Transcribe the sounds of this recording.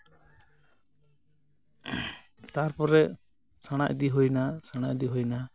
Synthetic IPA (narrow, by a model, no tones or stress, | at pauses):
t̪aɾpɔɾɛ | saɽ̃a̰ʔd̪iɦujnasaɽ̃aʔd̪iɦujna